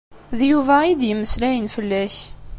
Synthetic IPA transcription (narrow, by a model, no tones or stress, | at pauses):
ðjuvæid̪jəmːəslæjənfəlːæç